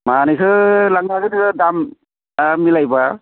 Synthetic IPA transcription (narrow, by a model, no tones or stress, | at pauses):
manɯjkʰɯlaŋnaɡɯnikɯdam | mːilajba